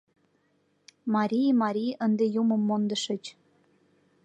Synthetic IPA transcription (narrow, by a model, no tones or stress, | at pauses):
mɑɾʲijmɑɾʲijənd̪ejumə̆mːond̪ə̆ʃə̆t͡ɕ